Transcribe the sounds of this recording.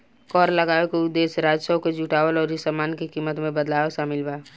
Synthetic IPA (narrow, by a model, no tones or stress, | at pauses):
kɔːɾləɡaːekoʊd̪ːeːsɾaːd͡ʒsəwked͡ʒuʈaːwəlɔːɾjɪsəmaːnkikiːmːət̪mẽbəd̪laːʃaːmɪlbaː